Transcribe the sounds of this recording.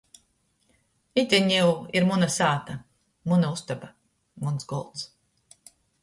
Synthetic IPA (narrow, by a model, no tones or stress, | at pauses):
it̪ʲiɲiwiɾmunasaːt̪a | munaust̪aba | munsɡɔlˠt̪s